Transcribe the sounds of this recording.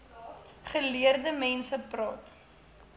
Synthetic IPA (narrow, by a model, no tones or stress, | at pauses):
χəliərdəmɛnsəprɑːt